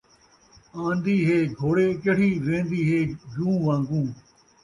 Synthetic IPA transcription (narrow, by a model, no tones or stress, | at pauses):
ãːnd̪iːɦeːɡʱoːɽeːkəɽiːʋẽːnd̪iːɦeːd͡ʒũːʋãːŋɡũː